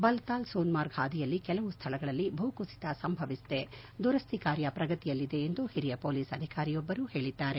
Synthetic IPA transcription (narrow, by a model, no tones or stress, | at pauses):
bɐlt̪aːlsoːnmaːɾɡaːd̪ijɐlːikɛlɐʋust̪ʰɐlɐɡɐɭɐlːibʱuːkusi̥t̪ɐsɐmbʱɐʋist̪e̞ | d̪uɾɐst̪ʰikaːɾjɐpɾɐɡɐt̪ijɐlːid̪e̞ːnd̪uhiɾijɐpoːliːsɐd̪ʱikaːɾijɔbːɐɾuːhe̞ːɭid̪ːaːɾe̞